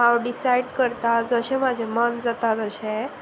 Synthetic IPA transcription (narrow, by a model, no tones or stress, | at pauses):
ɦaʋɖisajɖkəɾt̪ad͡zəɕẽmad͡ʑʱemənd͡zat̪at̪əɕe